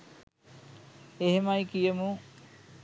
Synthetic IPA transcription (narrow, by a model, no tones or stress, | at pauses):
eɦemajkijəmu